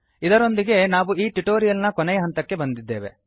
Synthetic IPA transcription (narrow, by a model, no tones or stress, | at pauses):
id̪ɐɾo̞nd̪iɡe̞naːʋuiːʈuʈoːɾijɐlnɐkɔnɛjɐɦɐnt̪ɐkːe̞bɐnd̪id̪ːeːʋe̞̰